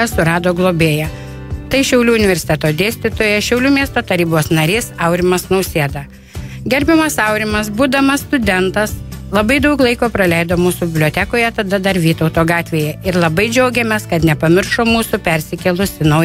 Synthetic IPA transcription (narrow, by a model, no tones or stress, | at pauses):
ɐsʊɾɑːd̪oːɡlˠoːbʲeːjɛ | t̪ɐɪʃʲɛʊlʲuːʊnʲɪʋʲɛɾʲsʲɪ̥t̪ʲɛt̪oːd̪ʲeːsʲt̪ʲɪt̪oːjɛʃʲɛʊlʲuːmʲiɛst̪oːt̪ɐɾʲiːboːsnɐɾʲɪːsɐʊɾʲɪmɐsnɐʊsʲeːd̪ɐ | ɡʲɛɾʲbʲɪmɐsɐʊɾʲɪmɐsbuːd̪ɐmɐsst̪ʊd̪ʲɛnt̪ɐslˠɐbɐɪd̪ɐʊklˠɐɪkoːpɾɐlʲɛɪd̪oːmuːsubʲɪbʲlʲoːt̪ʲækoːjɛt̪ɐd̪ɐd̪ɐɾʋʲiːt̪ɐʊt̪oːɡɑːt̪ʲʋʲeːjɛɪɾlˠɐbɐɪd͡ʒʲɛʊɡʲɛmʲɛskɐt̪nʲɛpɐmʲɪɾʃoːmuːsʊpʲɛɾʲsʲɪkʲɛlˠʊsʲɪnɐʊ